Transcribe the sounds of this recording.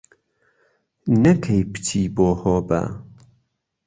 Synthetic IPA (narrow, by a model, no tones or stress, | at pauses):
nɐkʰɐjpɨ̥tʰiːboːhoːbɐ̰